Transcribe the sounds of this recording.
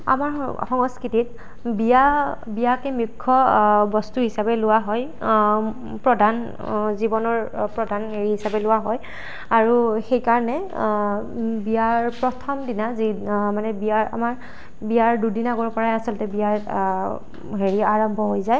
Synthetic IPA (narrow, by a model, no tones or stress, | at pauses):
a̰maɹxɔŋɔskɹitit̚ | biabijakɛmikʰːɔbɔstuɦisabɛlʊwaɦɔj | pɹɔdʱan | zibɔnɔɹpɹɔdʱaneɹiɦisabɛlʊwaɦɔj | aɹuxejkaɹɔnɛ | bijaɹpɹɔtʰɔmdinazimanɛbiaɹa̰maɹ | bijaɹdudinaɡɔɹpɔɹaɛasɔlɔtɛbijaɹ | ɦeɹiaɹɔmbʱɔɦojzaj